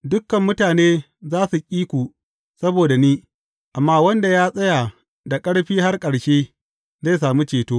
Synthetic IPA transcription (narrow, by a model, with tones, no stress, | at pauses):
dʊ˦kːɐ˨mːʊ˦taː˨neː˦ | zaː˦su˨kʲʼiː˦kʷu˨ | sɐ˦boː˨da˨niː˦ | ʔa˨mːaː˦wɐ˦nda˨jaː˦sʼɐ˦ja˨ | da˨kʼɐ˦ɽɸiː˦ɦa˦rkʼɐ˨ɽʃeː˦ | ze˦˨js̬aː˨mu˦t͡ʃeː˨toː˦